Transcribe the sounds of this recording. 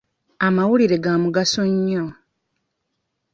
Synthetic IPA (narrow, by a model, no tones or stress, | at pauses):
amawuliɾe̞ɡaːmuɡasoɲːo